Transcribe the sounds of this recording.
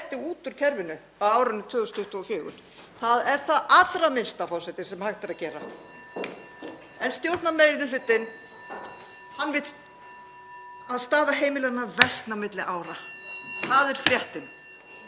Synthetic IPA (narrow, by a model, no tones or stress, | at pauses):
ht̪ɪuːt̪ʏɾ̥cʰɛɾvɪnʏ | aðaːwɾanːʏt̪ʰvœːðʏst̪ʰʊht̪uɔçɪːɣʏ̰n | θaðɛɾ̥θaðat̪ɾamɪnst̪afɔwsɛt̪ɪsɛmhaxt̪ɪɾaðcɛːɾa̰ | ɛnst̪jowɾ̥t̪nameːjɾɪnʏfʏt̪ːɪn | hanːvɪt̪ | aðst̪aːðaɦejmɪlɛɣnːavɛst̪namɪt̪lɪʔaːwɾaθaðɛɾ̥fɾjɛht̪ɪn